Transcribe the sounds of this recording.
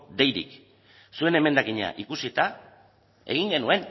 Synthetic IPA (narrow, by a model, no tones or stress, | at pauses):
d̪e̞jɾḭk | sue̞ne̞me̞nd̪akiɲa̰ʔikusit̪a | e̞̰ɣ̞iŋɡe̞nue̞n